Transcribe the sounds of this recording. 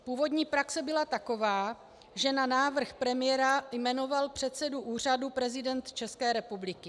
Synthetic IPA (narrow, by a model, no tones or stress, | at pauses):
puːvo̞dɲiːpɾaksɛbɪlat̪ako̞vaː | ʒɛnanaːvr̩xpɾɛmɪjɛɾajmɛno̞valpr̝̥ɛt̪sɛduʔuːr̝adupɾɛzɪdɛnt̪t͡ʃɛskɛːɾɛpublɪkɪ